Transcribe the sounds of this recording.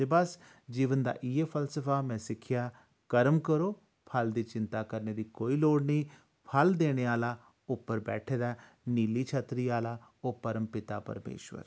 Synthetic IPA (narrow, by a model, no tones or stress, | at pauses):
t̪eːbəs | d͡ʒiːʋənd̪a̰ːʔiepʰəlsəpʰaːmɛ̃ːsɪkʰːɪjaː | kəɾəmkəɾoː | pʰəld̪iːt͡ʃɪnt̪aːkəɾneːd̪iːkoːiːloːɽnĩː | pʰəld̪eːɽ̃eːaːlaː | ʊpːəɾbɛ̰ːʈʰeːd̪aː | niːliːt͡ʃʰət̪ɾiːaːlaːoːpəɾəmpɪt̪aːpə̰ɾmḛːʃʋə̰ɾ